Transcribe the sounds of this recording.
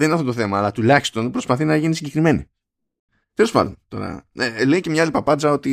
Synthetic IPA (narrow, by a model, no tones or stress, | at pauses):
eninɐft̪o̞t̪oθe̞mɐːlɐt̪ulɐçi̥st̪o̞npɾo̞spɐθinɐʝinisiɲɟe̞kɾime̞nḭ | t̪elospɐ̰nd̪ont̪o̞̰ɾɐ̰eleicemɲɐalipɐpɐd͡zɐo̞t̪i